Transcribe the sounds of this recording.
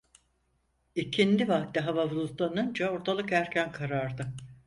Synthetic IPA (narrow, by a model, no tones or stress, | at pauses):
icʰind̪ivakt̪ːiɦavavulˠut̪lˠanɯnd͡ʒaoɾt̪ʰalˠɯkæɾcʰænkʰaɾaɾd̪ɯ